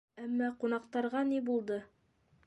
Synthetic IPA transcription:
æmːɑqunɑqt̪ɑɾʁɑnibulˠd̪ɤ

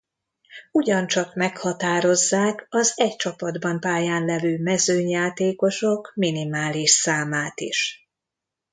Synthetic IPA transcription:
uɟɒnt͡ʃɒkmɛkhɒt̪aːɾo̞zːaːkɒzɛct͡ʃɒpɒd̪bɒmpaːjaːnlɛvøːmɛzøːɲjaːt̪eːko̞ʃo̞kminimaːliʃsaːmaːt̪ḭʃ

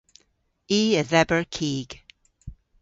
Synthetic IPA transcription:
iːəðɛbəɹkʰiːɡ̥

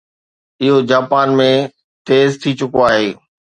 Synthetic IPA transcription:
ɪɦod͡ʑaːpaːnmẽ | t̪eːzt̪ʰit͡ɕʊkoaːɦeː

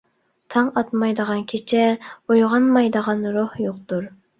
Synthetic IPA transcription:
t̪ʰɑŋɑt̪mɑjd̪əʁɑnkʲʰet͡ʃʰɛojʁɑnmɑjd̪əʁɑnɾohjoq̚t̪uɾ

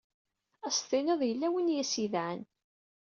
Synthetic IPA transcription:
æst̪ɪnəðˤjəlːæwinjæsiðʕən

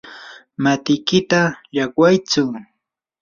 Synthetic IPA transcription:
mat̪ɪjkɪt̪ajakwajt͡sʊ

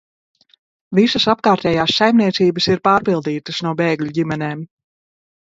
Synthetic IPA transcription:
visɐsap̚kaːɾt̪ʲɛːjaːsːajmnʲiɛt̪siːbəsiɾpaːɾpilˠd̪iːt̪əsnuɔbeːɡlʲuɟimɛneːm

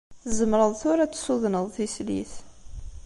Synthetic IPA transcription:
θzəmɾəðˤθʊɾæt͡sːsuðnəðˤθisliθ

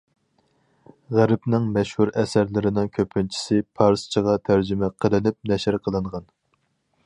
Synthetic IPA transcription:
ʁæɾɪpnɪŋmɛʃhuɾɛsæɾlɪɾɪnɪŋkʲʰøpʰɪnt͡ʃʰi̥sɪpʰɑɾst͡ʃʰəʁɑt̪ʰæɾd͡ʒymɛqʰəlˠɨnɪp̚nɛʃɪɾqʰəlˠɨɴʁɑn

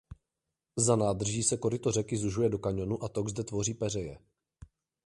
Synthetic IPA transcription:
zanaːd̪r̩ʒiːsɛko̞ɾɪt̪orɛkɪzuʒujɛdo̞kaɲo̞nuʔat̪o̞ɡzdɛt̪vo̞riːpɛrɛjɛ̰

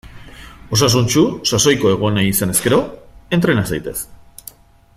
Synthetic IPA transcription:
o̞sasunt͡ʃusaso̞jko̞e̞ɣ̞oneisane̞ske̞ɾo̞e̞nt̪ɾe̞nasajt̪e̞s

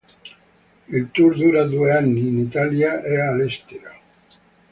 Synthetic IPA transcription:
ilt̪uɾd̪uːɾad̪ueanːiːnit̪aljaʔɛaːlɛst̪eɾa

